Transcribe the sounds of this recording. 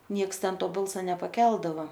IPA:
ˈnʲiɛks ˈtʲɛn ˈtoː ˈbɐlˠsɐ nʲɛpɐˈkʲɛlˠdɐʋɐ

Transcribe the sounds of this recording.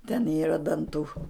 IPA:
tʲɛn ˈiːrɐ dɐnˈtuː

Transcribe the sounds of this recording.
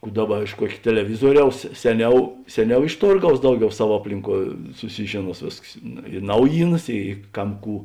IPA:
ˈkuː ˈdɑːˌbɐ ɪʃ ˈkuɔkʲ tʲɛlʲɛˈʋʲɪzuɔˌrʲɛʊs ˈsʲæːˌnʲɛʊ ˈsʲæːˌnʲɛʊ ɪʃ ˈtoːrˌɡɐʊs ˈdɐʊˌɡʲɛʊ ˈsɐw ˈɑːpʲlʲɪŋˌkuɔ sʊˈsʲɪʒʲeːˌnuɔs ˈʋʲeːsks ɪ ˈnɐʊjiːˌnɐs ɪ ˈkɐm ˈkuː

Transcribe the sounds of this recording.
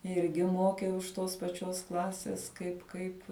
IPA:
ˈɪrʲɡʲɪ ˈmoːkʲɛʊ ɪʃ ˈtoːs pɐˈt͡ʃʲoːs ˈklˠɑːsʲeːs ˈkɐɪp ˈkɐɪp

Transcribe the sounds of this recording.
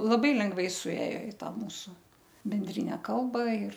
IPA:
lˠɐˈbɐɪ lʲɛŋɡˈʋɐɪ sʊˈeːjoː ɪ ˈtɑː ˈmuːsʊ bʲɛnʲˈdʲrʲɪnʲɛ ˈkɐlˠbɐ ɪr

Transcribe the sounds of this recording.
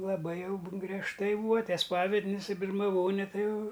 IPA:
lˠɐˈbɐɪ ˈjɛʊ bʊ ɡrʲiɛʃˈtɐɪ ˈbuːɐ ˈtʲiɛ ˈspɑːʋʲɛdʲnʲɪs ɪ bʲɪrmɐˈʋoːnʲɛ ˈtɐɪ ˈjɛʊ

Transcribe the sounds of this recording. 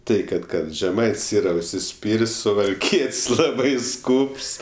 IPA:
ˈtɐɪ ˈkɐt ˈkɐt ʒʲɛˈmɐɪtʲsʲ ˈiːrɐ ʊʃʲsʲɪˈsʲpʲiːrʲsʲ sʊʋɐlʲˈkʲiɛtʲsʲ ˈlˠɑːbɐɪ ˈskuːps

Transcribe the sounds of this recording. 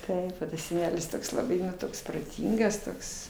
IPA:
ˈtɐɪp oː tɐs sʲɛˈnʲæːlʲɪs ˈtoːks lˠɐˈbɐɪ nʊ ˈtoːks proːˈtʲiːŋɡɐs ˈtoːks

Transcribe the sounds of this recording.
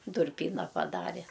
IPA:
dʊrʲˈpʲiːnɐ pɐˈdɑːrʲɛ

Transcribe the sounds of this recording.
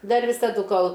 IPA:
ˈdɐr ʋʲɪsɐˈdʊ ˈkoːlˠ

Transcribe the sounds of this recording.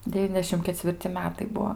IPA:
dʲɛˈʋʲiːnʲɛzʲdʲɛʃʲɪm kʲɛt͡sʲʋʲɪrʲˈt͡sʲɪ ˈmʲæːtɐɪ ˈbuɔ

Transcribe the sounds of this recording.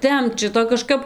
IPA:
ˈtʲɛmpt ˈʃʲɪtoː kɐˈʃkɐp

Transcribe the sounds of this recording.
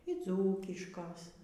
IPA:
iː ˈd͡zuːkʲɪʃkoːs

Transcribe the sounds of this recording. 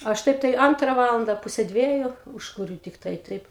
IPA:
ɐʃ ˈtɐɪp tɐɪ ˈɐntrɐ ˈʋɑːlˠɐndɐ ˈpʊsʲɛ ˈdʲʋʲiɛjʊ ˈuːʃkʊrʲʊ tʲɪkˈtɐɪ ˈtɐɪp

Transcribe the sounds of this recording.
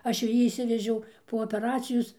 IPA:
ˈɐʃ jɛʊ ˈjiː ɪʃʲˈsʲɪʋʲɛʒʲɛʊ poː oːpʲɛˈrɑːt͡sʲɪjoːs

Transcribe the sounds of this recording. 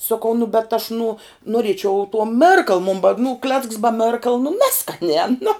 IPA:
soːˈkɐʊ nʊ bʲɛt ɐʃ nuɔ nuɔˈrʲiɛt͡ʃʲɛʊ tuɔ ˈmʲɪrkɐlˠ mʊn bɐ nʊ klʲɛt͡sks bɐ ˈmʲɛrkɐlˠ nʊ ˈnʲæːskɐnʲæː nʊ

